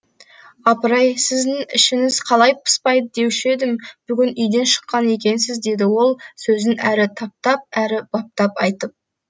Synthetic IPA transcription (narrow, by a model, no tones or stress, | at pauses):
ɑpəɾɑjsɪzd̪ɪŋɪ̰ʃɪŋɪz̥qʰɑlˠɑjpʰə̥spɑjd̪əd̪e̞wɪʃe̞d̪ɪmb̥ʏɡʲɪnʏjd̪e̞nʃə̥qːɑne̞kʲe̞nsɪzd̪e̞d̪ɪwo̞lˠsɵzɪnæɾɪt̪ʰɑp̚t̪ɑp̚æɾɪb̥ɑp̚t̪ɑpɑjt̪əp̚